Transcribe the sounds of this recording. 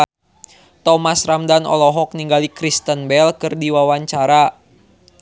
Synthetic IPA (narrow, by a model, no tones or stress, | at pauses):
t̪ɔmasramdanɔ̰lɔɦɔk̚niŋɡalikɾist̪ənbɛlkɨrdiwawaɲt͡ʃaɾa